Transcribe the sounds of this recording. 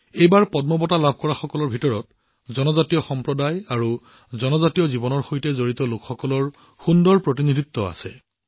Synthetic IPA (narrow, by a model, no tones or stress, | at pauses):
ejbaɹpɔd̚mɔbɔtalab̚ʱkɔɹaxɔkɔlɔɹbʱitɔɹɔt̚ | zɔnɔzatijɔxɔmpɹɔdajaɹu | zɔnɔzatiɔzibɔnɔɹxojtɛzoɹitɔlokxɔkɔlɔɹ | xundɔɹpɹotinidʱit̪ːɔa̰sɛ̰